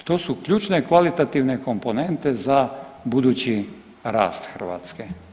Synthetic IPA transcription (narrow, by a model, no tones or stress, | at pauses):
t̪o̞ːsukʎuːt͡ʃnekʋalit̪at̪iʋneko̞mpone̞nt̪ezabud̪uːt͡ɕi | ɾa̰ːst̪xr̩ʋa̰ːt̪ske